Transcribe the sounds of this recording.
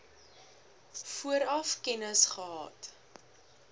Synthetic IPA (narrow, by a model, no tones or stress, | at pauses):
fuəɾɐfkɛnəsχəɦɑ̰ːt